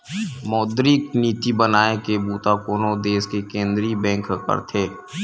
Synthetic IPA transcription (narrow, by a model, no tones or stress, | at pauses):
mɔːd̪ɾikniːt̪ibənaːekebuːt̪akoːnod̪eːskekẽːnd̪ɾibɛ̃ːŋkkə̰ɾt̪ʰeː